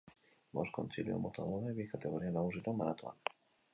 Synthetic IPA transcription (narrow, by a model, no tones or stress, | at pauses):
mosko̰nsiljo̰mot̪aðoɾðeβikat̪eɣoɾianauzit̪omaɾat̪wa̰l